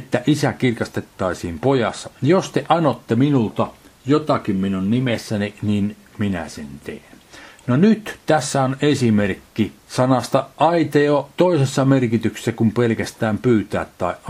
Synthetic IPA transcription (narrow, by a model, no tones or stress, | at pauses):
et̪ːæʔisækirkɑst̪et̪ːɑisiːmpojɑsːɑjost̪eʔɑnot̪ːeminult̪ɑjot̪ɑkimminunnimesːæninin | minæ̰sḛnt̪ḛːnnonyt̪t̪æsːæonesimerkːisɑnɑst̪ɑʔɑit̪eot̪oˑisesːɑmerkit̪ykse̥sːækumpelkæst̪æːmpyːt̪æːt̪tɑiʔʔ